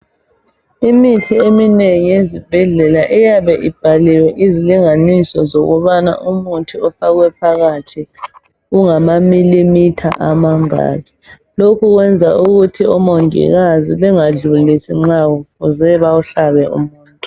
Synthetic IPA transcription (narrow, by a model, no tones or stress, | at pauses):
imitʰiemineŋijezib̥ʱɛɮɛlaʔɛjaβɛʔib̥ʱalɛwɛʔiziliŋanisɔzoɣuβana̰ʔumuntʰuɔfaɣwɛpʰaɣatʰi | uŋamamilimitʰa̰ʔamaŋa̰ːli | lokʰuɣwɛnd͡zʱauɣutʰiɔmoŋḭɣaziβɛŋaɮulisiŋ͡ǀaɣɔɣuzɛβauɬaβɛʔṵm̩uːtʰʼu̥